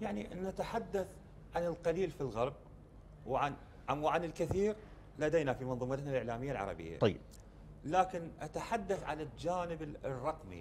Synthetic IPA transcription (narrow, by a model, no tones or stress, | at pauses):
jaʕninat̪aħad̪ːaθ | ʕanəlqɑliːlfilɣɑɾˤb̚ | wʕan | ʕamwaʕanɪlkɪθiːɾ | lad̪ejnafimɑnðˤuːmat̪nalʔɪʕlaːmɪjːalʕɑ̰ɾˤɑ̰bɪ̰jːa̰t̪ˤɑː | laːkɪnʔat̪aħad̪ːaθʕa̰nad͡ʒaːnɪbrˤːɑqmḭ